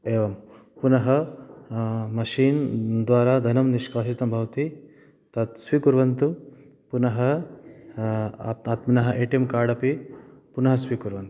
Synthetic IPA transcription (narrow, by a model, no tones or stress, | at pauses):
eːʋɐm | punɐɦɐ | mɐʃiːnd̪ʋaːɾaːd̪ʱɐnɐmniʃkaːʃit̪ɐmbʱɐʋɐt̪i | t̪ɐt̪sʋikuɾʋɐnt̪u | punɐɦɐ | aːt̪minɐɦɐʔeːʈjɐmkaːɽɐpipunɐɦɐsʋikuɾʋɐnt̪u̥